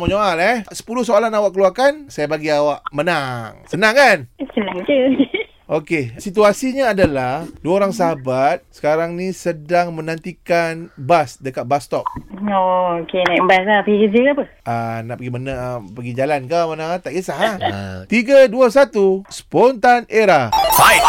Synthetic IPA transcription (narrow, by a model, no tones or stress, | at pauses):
moɲoalɛsə̥pulʊhsoalanawaʔkəluakansajabaɡiawaʔmənaŋsənaŋansənãŋt͡ʃəoke | okesit̪uasiɲaːdalahduaoɾaŋs̬aɦabat̪̚sə̥kaɾaŋnisədaŋmənãnt̪ikanbasdəkat̪̚bast̪ɔp̚ookenabaslapəɡikəd͡ʒəkapə | ʔanaʔpəɡimənapəɡid͡ʒalankamanat̪aʔkisaɦat̪iɡaduəs̬at̪usə̥pɔnt̪aneɾaa